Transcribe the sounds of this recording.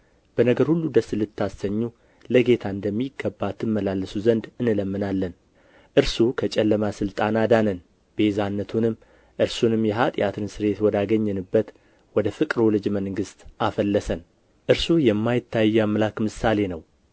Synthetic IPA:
b̥ənəɡəɾhulːud̪əsɨlɨt̪ʰːasəɲːu | ləɡe̞t̪ʰaɨnd̪əmːiɡːəbːat̪ʰːɨmːəlalːɨsuzənd̪ɨnɨləmːɨnalːən | ʔɨɾsukʰət͡ʃʼɛlːəmasɨlt̪ʼanad̪anən | b̥e̞zanːət̪ʰunɨm | ʔɨɾsunɨmːjɛɦat̪ʼɪ̰jat̪ʰɨnsɨɾe̞t̪wɔd̪aɡəɲːɨnɨbːət̪ | wɔd̪əfɨkʼɾolɨd͡ʒməŋɡɨst̪ʔafəlːəsən | ʔɨɾsujɛmːajɪt̪ʰːajːamːlakmɨsale̞nəw

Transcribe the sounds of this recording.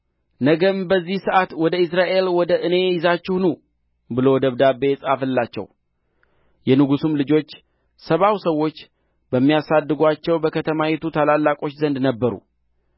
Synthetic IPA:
nəɡəmbəzːihsɨʔat̪wɔd̪əɨs̬ɾaʔe̞lwɔd̪əʔɨne̞jɪzat͡ʃːɪhnu | bɨlo̞wd̪əβd̪abe̞sʼafɨlːat͡ʃːɛ̰w | jɛnɨɡusumlɨd͡ʒo̞t͡ʃː | səβawsəwːo̞t͡ʃː | bəmːijasad̪ːɨɡʷat͡ʃːɛwbəkʰət̪ʰəmawet̪ʰut̪ʰalalːakʼo̞t͡ʃːzənd̪nəbːəɾṵ

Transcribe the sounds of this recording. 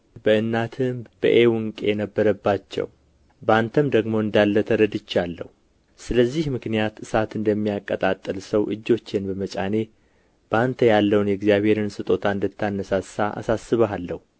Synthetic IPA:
bəʔɨnːat̪ʰɨmb̥ə̰ʔewɨŋkʼeɛnəbːəɾəbːat͡ʃːɛ̰w | bant̪ʰəmd̪əɡmo̞ɨnd̪alːət̪ʰəɾəd̪ɨt͡ʃːalːə̰hu | sɨləzːihmɨknijat̪ɨsat̪ɨnd̪əmːijakʼːət̪ʼat̪ʼːɨlsəwʔɨ̰d͡ʒːo̞t͡ʃːenbəmət͡ʃʼane̞ | b̥əant̪ʰəjalːəwunjɛɡzijaβhe̞ɾɨnsɨt̪ʼo̞t̪ʰaɨnd̪ət̪ʰːanːəsasːaʔa̰sasɨβəalːəhu

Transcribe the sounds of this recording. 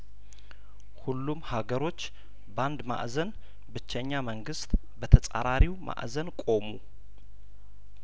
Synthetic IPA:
hulːumhaɡəɾo̞t͡ʃː | band̪ma̰ʔzən | bɨt͡ʃːəɲːaməŋɡɨst̪ʼ | bət̪ʰəsʼa̰ɾaɾiwmʔa̰ʔzənkʼo̞mu

